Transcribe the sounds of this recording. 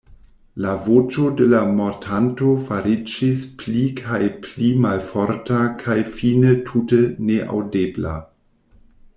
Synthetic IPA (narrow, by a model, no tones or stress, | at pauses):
lavot͡ʃo̞delamotʰanto̞faɾid͡ʒisplikʰajplimalfoɾtakʰajfinətʰuteneʔa̰wdebla̰